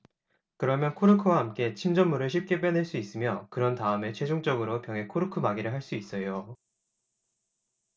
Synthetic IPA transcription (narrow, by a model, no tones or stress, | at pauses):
kɯɾʌmjʌnkʰoɾɯkʰɯwaɦamk͈e̞t͡ɕʰimd͡ʑʌmːuɾɯɭɕʰip̚k͈e̞p͈jʌnɦeɭs͈uis͈ɯmjʌkɯɾʌntaɯme̞t͡ɕʰwe̞d͡ʑoŋt͡ɕ͈ʌɡɯɾopjʌŋɦe̞kʰoɾɯkʰɯmaɡiɾɯɭɦaɭs͈uis͈ʌjo